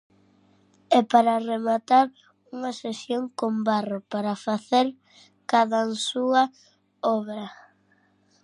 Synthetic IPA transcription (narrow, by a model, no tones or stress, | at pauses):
ɛpaɾɐremat̪aɾ | uŋɐsesjoŋkombaropaɾɐfaθeɾ | kaðasuɐ | ɔβɾɐ